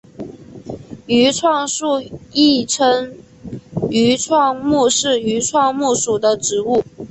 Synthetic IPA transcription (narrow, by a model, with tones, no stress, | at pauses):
y˧˥ʈ͡ʂʰwɑ˥˧ŋʂu˥˧i˥˩ʈ͡ʂʰə˥ŋ | y˧˥ʈ͡ʂʰwɑ˥˧ŋmu˥˧ʂɻ̩˥˩y˧˥ʈ͡ʂʰwɑ˥˧ŋmu˥˩ʂu˨˩d̪ə˦ʈ͡ʂɻ̩˧˥u˥˩